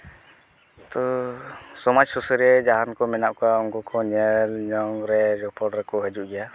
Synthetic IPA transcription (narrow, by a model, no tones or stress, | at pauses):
t̪ɔ | sɔmɔd͡ʒsɔsəɾɛd͡ʒaɦankɔmɛnaʔkɔaunkɔkʰɔɲɛlɲɔŋɾɛɾɔpʰɔɖɾɛkɔɦəd͡ʒuʔɡɛja